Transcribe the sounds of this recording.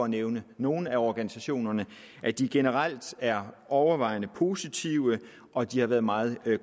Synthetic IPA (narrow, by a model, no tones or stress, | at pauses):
ɒ̽æneʊnəno̝ːn̩æɒɡ̥ænisæɕo̝̰ːnɐnə | ʔæd̥iɡ̥e̝nəʁɑl̰d̥æɐʔɒʊɐʋɑ̈ɪ̰nəpʰo̝sit͡sʰiʊə | ʔɒ̽d̥ihɑ̈ʋæɐðˠmɑ̈ːð̞̩ˠ